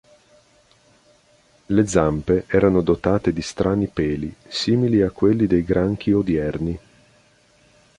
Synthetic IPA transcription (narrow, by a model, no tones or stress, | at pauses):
led̪zampeʔɛːɾanod̪ot̪aːt̪ed̪ist̪ɾʔaːnipɛːlisiːmiliakːwelːid̪ejɡɾaŋk̟ʰiod̪iɛrni